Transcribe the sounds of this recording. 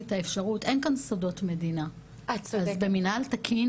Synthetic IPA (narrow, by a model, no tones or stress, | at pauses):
taefʃaʁutʔenkansodo̞tme̞dina | aazbeminaltakʰin